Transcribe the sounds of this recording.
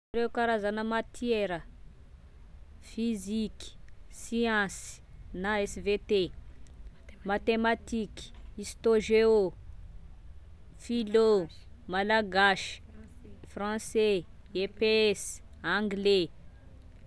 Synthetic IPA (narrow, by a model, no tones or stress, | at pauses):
ɾewkaɾazanəmat̪ʰjɛɾə | fiziki̥siɑ̃snaɛsvet̪e | mat̪emat̪iki̥ist̪oʒeo | filomalaɡaʃi̥frɑ̃sɛepeɛsãŋɡle